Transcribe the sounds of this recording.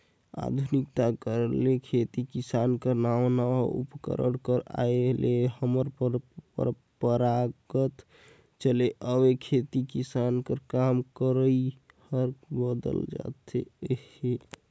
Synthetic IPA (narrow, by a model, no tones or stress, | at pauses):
a̰d̪ʱunikt̪akəɾlekʰet̪ikisankəɾnawnaṵpkə̰ɾə̰ɽkəɾa̰elehəməɾpɾ̰ɾ | pəɾaɡət̪ | t͡ʃəleʔəwekʰet̪ikisankəɾkamkəɾəi | həɾkbəd̪ə̰ld͡ʒa̰t̪ʰḛhe